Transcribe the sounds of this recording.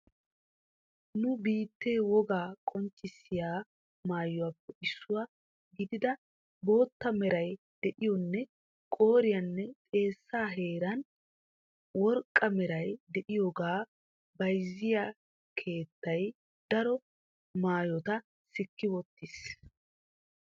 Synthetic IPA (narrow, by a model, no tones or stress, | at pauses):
nʊbiːt̪ːeːwɔɡaːkʼɔnt͡ʃːɪsːɪjaː | maːjɔɐpːɛʔɪsːʊwa | ɡɪd̪ɪd̪ɐ | bo̞ːt̪ːɐmɛɾɐj | d̪̥ɛʔɪjɔnːɛ | kʼo̞ːɾɪjɐnːɛt̪ʼe̞ːsːaːɦe̞ːɾɐn | wɔɾkʼːɐmɛɾɐjd̪ɛʔɪjoːɡaː | bɐjzːɪja | kʰe̞ːt̪ːɐj | d̪̥ɐɾɔ | maːjɔt̪ɐ | sɪkːɪwɔt̪ːɪs